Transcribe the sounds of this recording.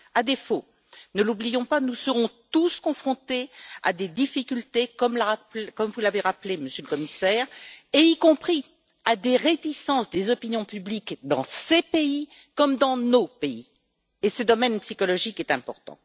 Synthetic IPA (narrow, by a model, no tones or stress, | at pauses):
ad̪efo | nəlublijɔ̃panusəʁɔ̃t̪uskɔ̃fχɔ̃t̪ea̰d̪ed̪ifikʲylt̪ekɔmlapkɔmvulaveʁapleməsjøləkɔmisɛːʁeikɔ̃pχi | ad̪eʁet̪isɑ̃sd̪ezɔpinjɔ̃pyblikd̪ɑ̰̃sepei | kɔmd̪ɑ̃nopei | esəd̪ɔmɛnpsikɔlɔʒikɛt̪ɛ̃pɔʁt̪ɑ̰̃